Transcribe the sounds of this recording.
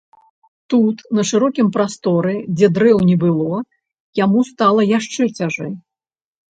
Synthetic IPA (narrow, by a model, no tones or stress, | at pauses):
t̪ut̪nɐʂɨɾɔkʲimpɾast̪ɔɾɨd͡zʲɛd̪ɾɛwnʲɛbɨlˠɔ | jamust̪alˠɐjaʂt͡ʂɛt͡sʲaʐɛj